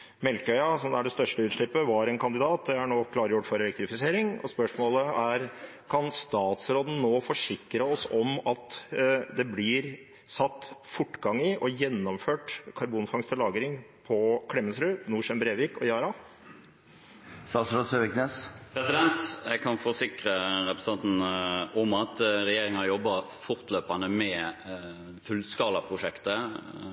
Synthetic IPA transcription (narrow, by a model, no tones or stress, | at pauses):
mɛlkœʏɑsɔmd̪ɛæɖɛst̪œʂʈəʉːt̪ʂɭɪpːəʋɑɾɛːnkʰɑnd̪ɪd̪ɑːt̪̚d̪ɛæɳoːkʰlɑːɾəjʊʈːfɔɾɛlɛkt̪ɾɪfɪseːɾɪŋɔ̰spœʂmoːləæɾ | kʰɑnst̪ɑːt̪sɾoːd̪n̩noːfɔʂɪkːɾəɔsɔmɑt̪d̪ɛblɪɾ | sɑt̪ːfʊʈːɡɑŋɪʔɔjɛnːɔmføːʈkʰɑɾbuːnfɑŋst̪ʰəlɑːɡɾɪŋ | pʰɔkʰɽɛmːənsɾʉːnuːʂɛmbɾeːʋɪkɔjɑːɾɑ | st̪ɑːt̪sɾɔt̪søʋɪkneːspʰɾɛsɪd̪ɛnt̪jɛɡkʰɑnfɔsɪkɾəɾɛpɾɛsɑnt̪n̩ɔmɑt̪ɾɛjeːɾɪŋənɑjɔbːɑ | fʊɾt̪løːpɑnəmɛ | fʉlskɑːlɑpʰɾʊʂɛkt̪ə